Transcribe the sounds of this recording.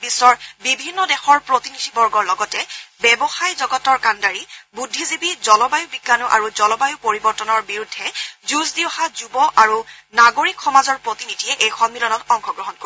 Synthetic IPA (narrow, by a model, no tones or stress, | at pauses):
bisɔɹbibʱinːɔdɛxɔɹpɹotinidʱibɔɹɡɔɹlɔɡɔtɛbɛbɔxajzɔɡɔtɔɹkandaɹibudʱːizibizɔlɔbajubiɡːanɔʔa̰ɹuzɔlɔbajʊpoɹibɔɹtɔnɔɹbiɹudʱːɛzuzdiwɔxazubɔʔaɹunaɡoɹikxɔmazɔɹpɹotinidʱiɛʔejxɔmːilɔnɔtɔŋxɔɡɹɔɦɔnko